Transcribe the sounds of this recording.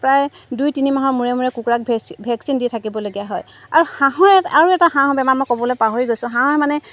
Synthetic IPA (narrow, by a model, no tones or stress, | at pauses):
pɹaj | dujtinimaɦɔɹmuɹɛmuɹɛkukuɹak̚bʱɛksinditʰakibɔloɡijaɦɔj | a̰ɹuhãɦɔɹɛaɹuɛtaɦãɦɔ̃bɛmanmɔjkɔbɔlojpaɦoɹiɡojsʊ̃ɦãɦɔɛmanɛ